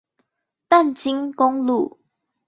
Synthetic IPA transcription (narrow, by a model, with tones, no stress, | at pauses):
t̪a˥˨nt͡ɕi˦˥ŋkɔ˦˥ŋlu˥˨